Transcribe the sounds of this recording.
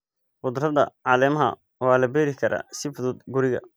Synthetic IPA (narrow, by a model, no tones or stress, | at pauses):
bʊd̪rɐðɐʕɑːlɛːmɐɦɐ̰ | wɑːlɐbɛːɾɪkʰɐɾʔɐ̰sɪfʊðʊːd̪ɡʊɾɪɣɐ̰